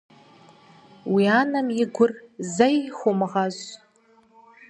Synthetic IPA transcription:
wiaːnɐmjɪɡʷʊrzɐjχʷʊmɨʁaz

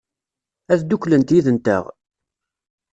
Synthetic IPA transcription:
æðd̪uklənt̪jiðənt̪ə̰ʁ

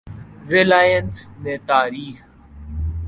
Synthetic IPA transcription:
ɾɪlaːjənsneːt̪aːɾiːx

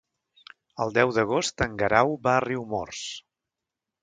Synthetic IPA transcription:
əlˠd̪ɛwðəɣ̞ost̪əŋɡəɾawbaəriwmɔ̰rs

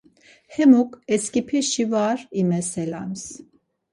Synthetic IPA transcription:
hɛmukɛskipʰɛʃivaɾimɛsɛla̰ms

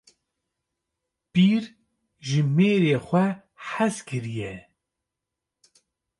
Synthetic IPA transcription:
piːɾ | ʒɨmeːɾeːxʷɛ | ħazkɨɾijɛ

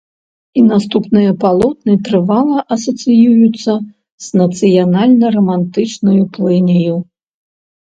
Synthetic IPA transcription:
inast̪upnɨjɐpalˠɔt̪nɨt̪ɾɨvalˠɐʔɐsɐt̪sɨjujut̪sːɐ | z̥nɐt̪sɨjanalʲnɐrɐmant̪ɨt͡ʂnɐjuplˠɨnʲiju

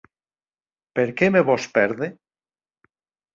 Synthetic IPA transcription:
peɾkemeβospeɾðe

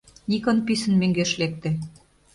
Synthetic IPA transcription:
nikɤ̆npisə̆nmeŋɡeʃlek̚t̪ĕ

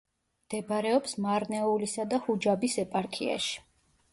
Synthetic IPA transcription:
md̪̥ɛbɾɛɔpsmaɾnɛulisad̪ahud͡ʒabisɛpʼaɾkʰia̰ʃi̥

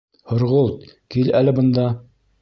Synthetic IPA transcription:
hŏɾʁolˠt̪̚kilælɘbɤ̆nd̪ɑ

